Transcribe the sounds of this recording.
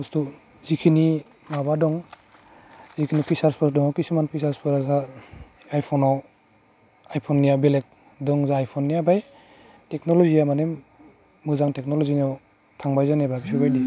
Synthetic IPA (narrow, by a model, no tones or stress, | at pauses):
ɔstu | zikʰini | maβadɔŋ | zikʰinipʰisaɾspʰɔɾsdɔŋɔkisumanpʰisaɾspʰɔɾaza | ajpʰɔnɔ | ajpʰɔnːijabilek̚ | dɔŋzaːjpʰɔnːijabaj | tek̚nɔlɔzijamanemː | ɯzaŋtek̚nɔlɔzinɔw | tʰaŋbajzanebabisubajdi